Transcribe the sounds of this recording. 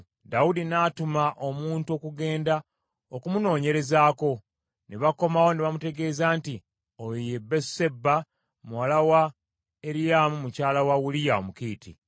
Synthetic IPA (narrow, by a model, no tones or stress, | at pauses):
daudinaːtumaʔo̞muːnto̞kuɡe̞ːnda | okumuno̞ːɲe̞ɾe̞zaːko̞ | neβako̞mawo̞neβamute̞ɡe̞ːzaːnti | ojjebːese̞bːa | muwalawa | eɾijamumucaːlawawulijao̰mukiːtḭ